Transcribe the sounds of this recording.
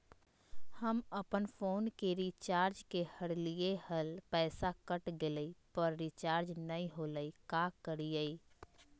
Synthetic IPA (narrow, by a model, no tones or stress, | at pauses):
həməpənfʰoːnkeɾit͡ʃaːɾd͡ʒkehəɾlijehəlpɛːsakəʈɡeləipəɾːit͡ʃaːɾd͡ʒnəĩɦoləikakəɾijəi